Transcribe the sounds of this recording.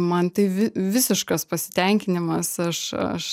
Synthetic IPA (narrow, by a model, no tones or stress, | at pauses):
mɐnt̪ɐɪʋʲɪʋʲɪsʲɪʃkɐspɐsʲɪ̥t̪ʲɛŋʲkʲɪnʲɪmɐsɐʃɐ̰ʃ